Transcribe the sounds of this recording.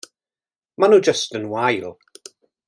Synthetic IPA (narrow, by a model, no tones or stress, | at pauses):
manuːd͡ʒəstənwajlˠ